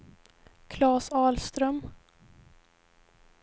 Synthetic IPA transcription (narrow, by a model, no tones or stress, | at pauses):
kʰlɑːsɑːlst̪ɾœm